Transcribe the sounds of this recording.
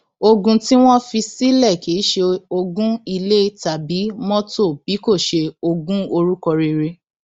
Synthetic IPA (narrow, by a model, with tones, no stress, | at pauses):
o˧ɡũ˧ti˦w̃ɔ̃˦fi˧si˦lɛ˦˨ki˨˦ʃe˧o˧ɡũ˦i˧le˦i˦ta˨bi˨˦mɔ̃˦to˦˨b̥i˨˦ko˦˨ʃe˧o˧ɡũ˦o˧ɾu˦kɔ˧ɾe˧ɾe˧